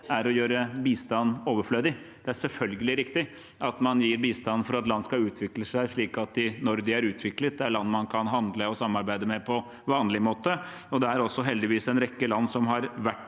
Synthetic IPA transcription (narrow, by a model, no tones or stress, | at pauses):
æɾɔjøːɾəbiːst̪ɑnːoːʋəfløːd̪ɪ | d̪̥ɛæɾʂɛlfœlɡəlɪɾɪkt̪ɪ | ʔɑt̪mɑnjiːɾbiːst̪ɑn̩ːfɔɾɑt̪lɑnːskɑʉːt̪ʰʋɪkləsæɪʂɭiːkɑt̪̚d̪ɪnɔɾd̪ɪæɾʉːt̪ʰʋɪklət̪̚d̪ɛæɭɑnːmɑnkʰɑnɦɑnd̪ləɔsɑmːɑɾbæɪd̪əmɛpʰɔ | ʋɑːnlɪmoːt̪ə | ɔd̪ɛæɾɔsːɔɦɛld̪ɪʋiːsɛnɾɛkːəlɑnːsɔmɦɑɾʋæʈː